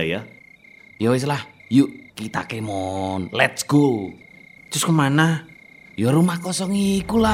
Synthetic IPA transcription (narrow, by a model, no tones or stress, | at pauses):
ja | jɔwes̬lahjuʔkit̪a̰kemɔnlɛt̪̚skult̪ɾʊskəmanah | jɔɾumahkɔsɔŋikula